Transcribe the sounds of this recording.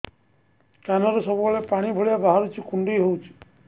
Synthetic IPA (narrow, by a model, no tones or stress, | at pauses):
kanɔɾesɔbɔbɔɭepaɽ̃ibʱoɭijabaɦaɾut͡ʃʰikuɳɖijɦowt͡ʃʰi̥